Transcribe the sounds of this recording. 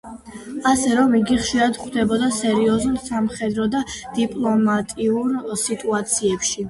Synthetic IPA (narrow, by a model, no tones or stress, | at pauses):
asɛɾɔmiɡiχʃiɾad̪χd̪ɛbɔd̪asɛɾiɔzulˠsamχɛd̪ɾɔd̪ad̪̥ipʼlˠɔmat̪ʼiuɾsit̪ʼuat̪sʰiɛpʃi